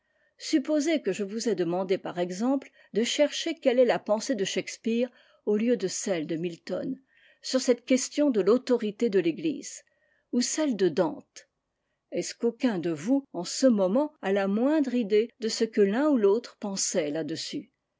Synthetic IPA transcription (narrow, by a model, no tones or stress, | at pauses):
sypozekəʒəvuzɛd̪əmɑ̃d̪epaʁɛɡzɑ̃pl | d̪əʃɛʁʃekʲɛlɛlapɑ̃sed̪əʃɛkspiʁ | oljød̪əsɛld̪əmilt̪ɔ̰n | syʁsɛt̪kʲɛst̪jɔ̃d̪əlot̪ɔʁit̪ed̪əleɡlḭz̥ | usɛld̪əd̪ɑ̃t̪ | ɛskokʲɛ̃d̪əvuɑ̃səmɔmɑ̃alamwɛ̃d̪ʁid̪ed̪əsəkəlɛ̃ulot̪χpɑ̃sɛlad̪əsy